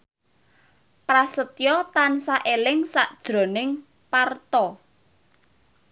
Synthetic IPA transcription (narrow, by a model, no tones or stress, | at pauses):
pɾasət̪jɔt̪ansaʔelɪŋsaʔd̥ʒ̥ɾo̤nɪŋ | part̪ɔ